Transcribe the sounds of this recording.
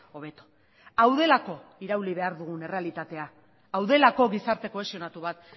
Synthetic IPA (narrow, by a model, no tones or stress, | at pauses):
o̞βe̞t̪o̥ | awðe̞lako̞iɾawliβ̞e̞aɾðuɣ̞une̞re̞alit̪at̪e̞aː | wðe̞lako̞ɣisaɾt̪e̞ko̞e̞sio̞nat̪uβat̪